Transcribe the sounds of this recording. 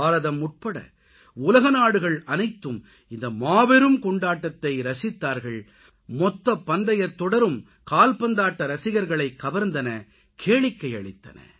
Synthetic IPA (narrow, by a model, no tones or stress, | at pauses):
aːɾɐðɐmːʊʈ̚pɐɽɐ̰ | ʊlɐɣɐnaːɽɯɣɐɭɐnɐɪt̪ːɯm | ɪnd̪ɐmaːʋɛɾɯmkɔɳɖaːʈːɐt̪ːɐɪɾɐsɪt̪ːaːɾɣɐɭ | mɔt̪ːɐpːɐnd̪ɐjɐɾt̪ɔɽɐɾɯm | kaːlpɐnd̪aːʈːɐɾɐsɪɣɐɾɣɐɭɐɪkːɐʋɐɾnd̪ɐnɐ | kʰeːɭɪkːɐɪɐɭɪt̪ːɐ̰nɐ̰